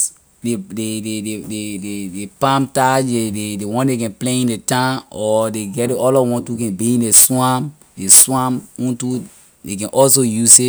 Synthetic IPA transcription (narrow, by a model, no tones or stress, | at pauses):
dededededeedepãmtad͡ʒdededewɔ̃ndekɛ̃npleĩndetãɔdeɡɛdeɔlɔwɔ̃ntukɛ̃nbiĩndeswãm | deswãmũntu | dekɛ̃nʔɔls̬ojusi